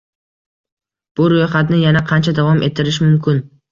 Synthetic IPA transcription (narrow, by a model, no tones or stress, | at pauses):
b̥ʊɾojχat̪nɪjanaqʰɑnt͡ʃʰad̪avɒmʔe̞t̪ʰːɪɾɪʃmʊmkʰʲɪn